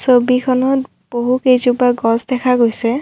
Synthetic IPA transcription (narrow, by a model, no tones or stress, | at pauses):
sobikʰɔnɔt | b̥oɦukejzubaɡɔzdɛkʰaɡojsɛ